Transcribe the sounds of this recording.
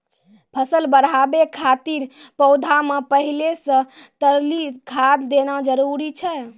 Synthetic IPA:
pʰəsəlbəɽ̤abekʰat̪iɾpəʊd̪ʱamepəɦilesə̃t̪əɾlikʰad̪ːenad͡ʒəɾuɾit͡ʃʰɛ

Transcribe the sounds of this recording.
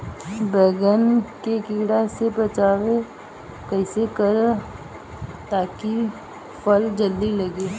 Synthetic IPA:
bɛːɡənkekiːɽasepət͡ʃaːʋe | kəɪsekəɾ | t̪aːki | fəld͡ʒəld̪ilɐɡeː

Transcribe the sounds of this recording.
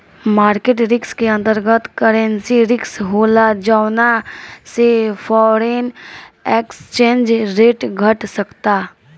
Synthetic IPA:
maːɾkeːʈɾɪkskeə̃nt̪əɾɡət̪kəɾə̃nsiɾɪksɦoːlad͡ʒawnasepʰɔːɾenekst͡ʃẽːnd͡ʒɾeːʈɡʱəʈsəkt̪aː

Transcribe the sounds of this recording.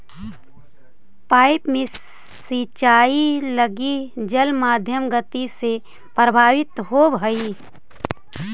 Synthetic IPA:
paːɪpmẽ | sit͡ʃaːiləɡid͡ʒəlmaːd̪ʱjəmɡət̪ise | pɾəbʱaːʋɪt̪ɦobʱəi

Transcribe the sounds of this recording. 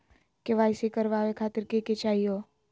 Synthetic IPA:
keʋaːjsekəɾʋaːʋekʰaːt̪ɪɾkeket͡ʃaːɦijo

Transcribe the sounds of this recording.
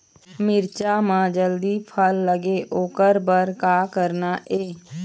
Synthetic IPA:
mɪɾt͡ʃamãd͡ʒəld̪ipʰəlːəɡeʔoːkəɾbəɾkaːkəɾnaʔeː

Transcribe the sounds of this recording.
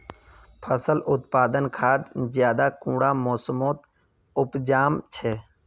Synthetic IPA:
pʰəsəlʔʊt̪̚paːd̪ənkʰaːd̪zjaːd̪aːkũːɽaːmoːsəmoːt̪ | ʊpd͡ʒaːmt͡ʃʰeː

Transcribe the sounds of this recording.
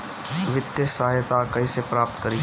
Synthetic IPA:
ʋɪt̪jəsajət̪akɐisepɾaːp̚t̪kɐɾi

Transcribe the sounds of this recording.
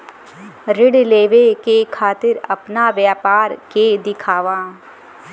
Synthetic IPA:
ɾɪɽleːʋekekʰaːt̪ɪɾɐpnaʋjaːpaːɾked̪ɪkʰaːʋaː

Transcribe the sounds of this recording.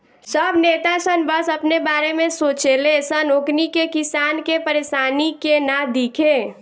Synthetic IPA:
səbneːt̪asənbəsəpnebaːɾemẽsoːt͡ʃelesənoːknikekisaːnkepəɾeːʃaːnikenad̪iːkʰeː

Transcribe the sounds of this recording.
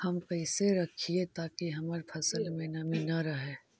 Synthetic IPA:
hɐmpɐɪseɾɐkʰiet̪aːkiɦɐməɾpʰɐsəlmẽnɐminɐɾɐɦeː

